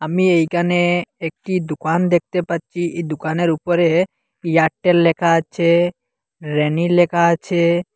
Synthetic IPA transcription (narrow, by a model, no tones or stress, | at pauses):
amiejkaneek̚ʈid̪ukand̪ek̚ʰt̪epatːt͡ʃʰiʔed̪ukaneɾupɔɾe | jak̚ʈːelːɛkʰaət͡ʃʰe | ɾenilɛkʰaət͡ʃʰe